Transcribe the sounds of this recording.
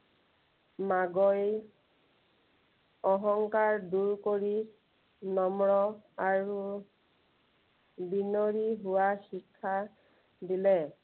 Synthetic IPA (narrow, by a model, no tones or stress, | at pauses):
maɡɔj | ɔɦɔŋkaɹduɹkoɹi | nɔmɹɔaɹu | binoɹiɦʊwaxikʰːa | dilɛ